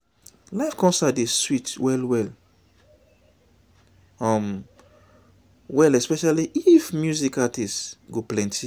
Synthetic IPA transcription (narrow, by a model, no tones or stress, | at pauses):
laɪfkɔ̃nsadeswitwɛlwɛl | ɔm | wɛlɛspɛʃaliʔifmjuzikatisɡoplɛ̃ntʰi